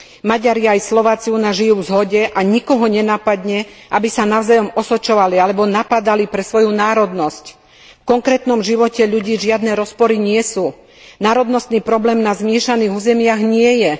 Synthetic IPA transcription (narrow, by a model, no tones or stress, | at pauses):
maɟaɾiajslɔʋaːt͡siunaʒijuːvzɦɔɟɛʔaɲikɔɦɔɲɛnaːpad̪ɲɛʔabisanaʊzajɔmɔsɔt͡ʃɔʋalialɛbɔnapad̪alipɾɛsʋɔjunaːɾɔd̪nɔsc | fkɔŋkɾɛːt̪nɔmʒiʋɔcɛʎuɟiːʒɪad̪nɛɾɔspɔɾiɲɪɛsuː | naːɾɔd̪nɔst̪niːpɾɔblɛːmnazmɪɛʃaniːɣuːzɛmɪaɣɲɪɛjɛ